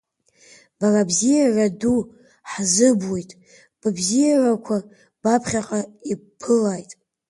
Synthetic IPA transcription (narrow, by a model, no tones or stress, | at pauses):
b̥arabzijaradu | ħzɨbwojtʼ | b̥bzijarakʷʰa | b̥apʰχʲaqʼaipʰɨlajtʼ